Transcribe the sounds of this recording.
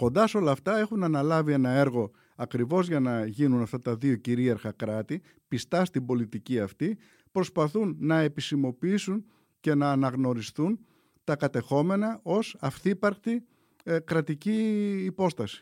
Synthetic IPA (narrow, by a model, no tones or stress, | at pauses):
ko̞nd̪ɐso̞lɐːft̪ɐe̞xunɐnɐlɐvie̞nɐe̞ɾɣo̞ | ɐkɾivo̞zʝɐnɐʝinunɐft̪ɐt̪ɐðio̞ciɾiɐɾxɐkɾɐt̪i | pist̪ɐst̪ibo̞lit̪iciɐft̪i | pɾo̞spɐθunːɐe̞pisimo̞piisun | ce̞nɐːnɐɣno̞ɾist̪un | t̪ɐkɐt̪e̞xo̞me̞nɐʔo̞sɐfθipɐɾkt̪i | kɾɐt̪iciːpo̞st̪ɐsi̥